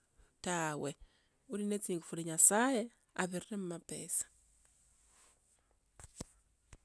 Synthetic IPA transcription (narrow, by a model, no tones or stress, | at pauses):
tawe | uɾinet͡siŋɡufuɾiɲasaje | aβiriremumapḛsḁ